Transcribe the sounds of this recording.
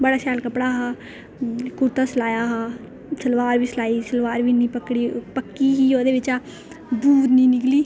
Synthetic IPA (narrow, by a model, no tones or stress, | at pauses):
bəɽaːsaːlkəpɽaːɦaː | kʊɾt̪aːslaːjaːɦaː | səlʋaːɾbʱiːslaːiːsəlʋaːɾbiːnĩpəkɽiːpəkːiɦiːoːd̪eːʋɪt͡ʃaː | buːɾnĩːnɪkliː